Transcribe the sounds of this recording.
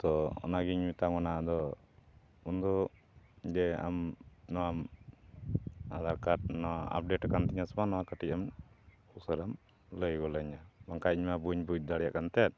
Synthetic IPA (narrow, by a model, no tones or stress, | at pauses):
t̪ɔɔ̰naɡiɲmit̪aŋɔnaʔad̪ɔ | und̪ɔ | d͡ʒ̪ɛa̰mnɔwam | ad̪aɾkaʈ̚nɔaa̰p̚ɖeʈakant̪iɲasɔmanɔwakaʈic̚am | husəɾam | ləjɡɔləɲabaŋkaiɲmabuɲbud͡ʒ̚d̪aɽɛja̰ʔkant̪ɛat̪̚